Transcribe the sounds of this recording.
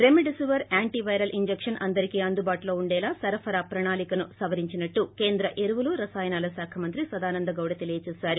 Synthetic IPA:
ɾemiɖisiʋɐɾaːɳʈiʋɐjɾɐlʔiɲd͡ʒekʂɐnʔɐnd̪ɐɾikiɐnd̪ubaːʈulo̞ːuɳɖɛːlaːsɐɾɐpʰɐɾaːpɾɐɳaːlikɐnusɐʋɐɾiɲt͡ʃinɐʈːuke̞ːnd̪ɾɐʔeɾuʋuluɾɐsaːjɐnaːlɐsaːkʰɐmɐnt̪ɾisɐd̪aːnɐnd̪ɐɡɐwɽɐt̪e̞lijɐt͡ʃɛːsaːɾu

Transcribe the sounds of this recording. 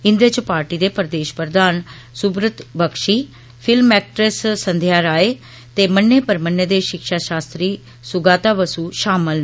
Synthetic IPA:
ɪnd̪eːt͡ʃpaːɾʈiːd̪eːpəɾd̪eːʃpəɾəd̪aːn | sʊbɾət̪bəkʃiː | pʰɪlmɛːk̚ʈɾəssənd̪ʱjaːɾaːeː | t̪eːmənːeːpəɾmənːeːd̪eːʃɪkʃaːʃaːst̪ɾiː | sʊɡaːt̪aːʋəsuːʃaːməl

